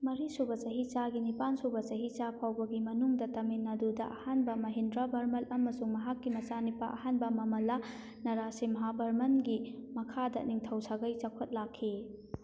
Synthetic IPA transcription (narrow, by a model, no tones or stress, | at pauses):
mɐɾisubɐt͡ʃɐɦit͡ʃaɡinipansubɐt͡ʃɐɦit͡ʃapʰawbɐɡimɐnuŋdɐtɐminːɐdudɐʔɐhanbɐmɐɦindɾabʱɐɾmɐlʔɐmɐsuŋmɐɦakːimɐt͡ʃanipːɐʔɐhanbɐmɐmɐla | nɐɾasimɐɦabʱɐɾmɐnɡimɐkʰadɐniŋtʰɐwsaɡɐjt͡ʃɐkʰɐt̚lakʰːi